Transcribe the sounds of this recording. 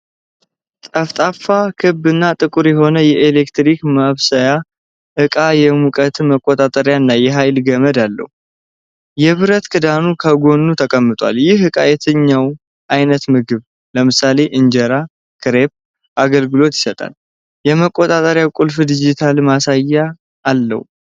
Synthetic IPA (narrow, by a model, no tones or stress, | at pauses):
t̪ʼəft̪ʼafakʰɨbːɨnːat̪ʼɨkʼuɾjɛɦo̞nəjɛʔelekt̪ɾikmaβsəja | ʔɨkʼajɛmukʼət̪ʰɨməkʼːot̪ʼat̪ʼəɾjanːajɛɦajlɡəməd̪alːə̰hu | jɛβɨɾət̪kʰʼɨd̪anukʰəɡo̞nːut̪ʰəkʼəmːɨt̪ʼwa̰ljɪhɨkʼajɛt̪ʰɨɲːaw | ʔajnət̪mɨɡɨβ | ləmɨsale̞ʔɨɲd͡ʒəɾa | kʰɨɾep̚ | ʔaɡəlɡɨlo̞t̪jɪ̥sət̪ʼa̰l | jɛməkʼot̪ʼat̪ʼəɾjakʼulfd̪id͡ʒit̪ʰalmasajːaː | lːə̰hu